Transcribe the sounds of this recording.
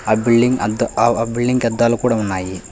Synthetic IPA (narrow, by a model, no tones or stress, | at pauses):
abiɭɖiŋɡɐd̪biɭːiŋɡɛd̪ːaːlukuːɽaunːaːji